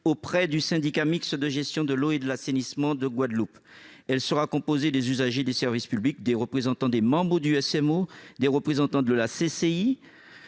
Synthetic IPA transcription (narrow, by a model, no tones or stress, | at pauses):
opχɛd̪ysɛ̃d̪ikamiksəd̪əʒɛst̪jɔ̃d̪əloed̪əlasenismɑ̃d̪əɡwad̪lupɛlsəʁakɔ̃pozed̪ezyzaʒed̪esɛʁvispyblik̚d̪eʁəpχezɑ̃t̪ɑ̃d̪emɑ̃bʁəd̪yɛsɛmod̪eʁəpχezɑ̃t̪ɑ̃d̪əlasesei